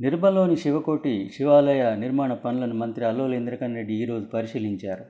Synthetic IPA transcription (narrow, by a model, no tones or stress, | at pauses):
niɾbʱɐlːo̞ːniʃiʋɐko̞ːʈːiʃiʋaːlɐjaniɾmaːɳɐpɐnulɐnumɐnt̪ɾiɐlːoːlɐind̪ɾɐkɐnɾe̞ɖːiːɾo̞ːd͡ʒupɐɾiʃiliɲt͡ʃaːɾu